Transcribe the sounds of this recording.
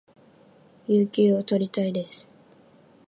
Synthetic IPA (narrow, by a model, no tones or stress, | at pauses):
jɨːkʲeːo̞t̪o̞ɾʲit̪aid̪e̞sɨ̥